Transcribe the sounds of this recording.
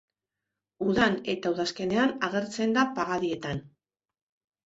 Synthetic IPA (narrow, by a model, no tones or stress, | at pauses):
uðane̞t̪auðaske̞ne̞anaɣ̞e̞ɾt͡se̞nd̪apaɣaðie̞t̪an